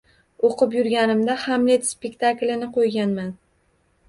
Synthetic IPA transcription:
oqɨp̬jʊɾɡʲanɪmd̪ahamlet̪spe̞k̚ʲt̪ʰaklʲɪnɪqʰojɡʲanman

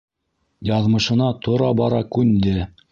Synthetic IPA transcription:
jɑðmɤ̆ʃɤ̆nɑt̪ŏɾɑbɑɾɑkʉnd̪ɘ

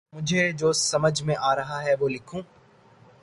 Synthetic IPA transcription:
mʊ̃d͡ʑʱed͡ʑoːsɐməd͡ʑʱmẽʔaːɾɐɦaɦɛʋoːlɪkʰũː

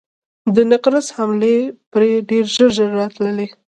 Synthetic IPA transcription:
d̪ənaqɾashamlepɾeɖeɾʒəɾʒəɾːɑt̪ləle

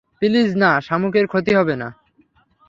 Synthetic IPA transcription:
pilid͡ʑnaʃamukeɾkʰot̪iɦɔbena̰

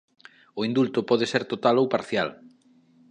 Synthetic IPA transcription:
oind̪ult̪ʊpɔðeseɾt̪ot̪alowpaɾθja̰l

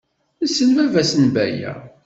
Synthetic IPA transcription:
əsːənvævæsənbæ̰jæ̰

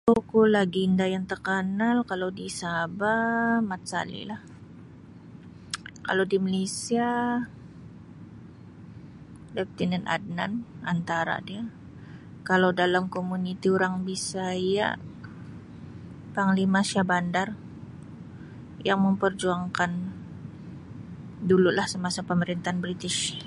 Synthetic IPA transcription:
tukulaɡiːndajaŋt̪ərkanalkalowdisabamat̪̚sa̰lḭlah | ka̰lodimalesia | lɛp̚t̪inɛnʔa̰d̚na̰nant̪aɾa̰dia | kalawdalamkomunit̪iuɾaŋbisaija̰ʔ | paŋlimasiabandar | jaŋməmpərd͡ʒuaŋkan | dululahsəmasapəməɾint̪aanbɾit̪ɪʃ

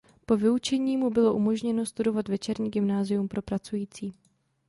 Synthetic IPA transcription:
po̞vɪut͡ʃɛɲiːmubɪlo̞ʔumo̞ʒɲɛno̞st̪udo̞vat̪vɛt͡ʃɛɾɲiːɡɪmnaːzɪjumpɾʔo̞pɾat͡sujiːt͡siː

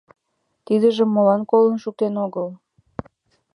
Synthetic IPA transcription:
t̪id̪əʒəmːolɑnkolə̆nʃuk̚t̪enoɣəl

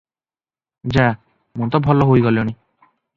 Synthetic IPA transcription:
d͡ʑa | munt̪ɔbʱɔlːɔɦojɡɔleoni

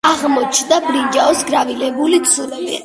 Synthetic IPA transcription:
aʁmɔt͡ʃʰnd̪abɾind͡ʒaɔsɡɾavilɛbuliksulɛbḭ

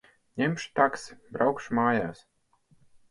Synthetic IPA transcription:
ɲʲɛmʃt̪aksbɾawkʃmaːjaːs

